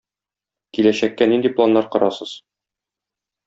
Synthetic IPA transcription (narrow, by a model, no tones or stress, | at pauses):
kilæɕækːænind̪iplˠanːɑɾqɒ̆ɾɑsɤz̥